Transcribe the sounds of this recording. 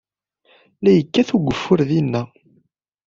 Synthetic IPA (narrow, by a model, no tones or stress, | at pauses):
læjəkːæθuɡʷəfːʊɾðinːæ